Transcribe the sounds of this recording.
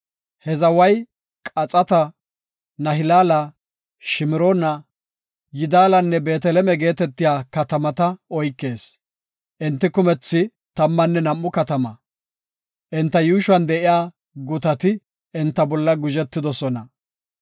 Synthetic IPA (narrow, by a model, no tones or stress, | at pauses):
hɛzɐwɐj | kʼɐt͡sʼɐt̪ɐ | nɐɦɪlaːlɐ | ʃɪmɪɾonɐ | jɪd̪aːlɐnːɛbe̞ːt̪ɛlɛmɛɡe̞ːt̪ɛt̪ːɪjaːkɐt̪ɐmɐt̪ɐɔjkːe̞ːs | ʔɪnt̪ːɪkʊmɛt͡sːɪ | t̪ɐmːɐnːɛnɐmːʊkɐt̪ɐmɐ | ʔɪnt̪ːɐjuːʃʊɐnd̪ɛʔɪjaː | ɡʊt̪ɐt̪ɪ | ɪnt̪ːɐbɔlːɐɡʊʒɛt̪ːɪd̪ɔsɔnɐ